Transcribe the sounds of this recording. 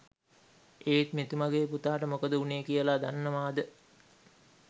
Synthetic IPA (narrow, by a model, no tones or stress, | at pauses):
eːt̪met̪umaɡeːput̪aːʈəmokəd̪əuneːkijəlad̪anːəmaːd̪ə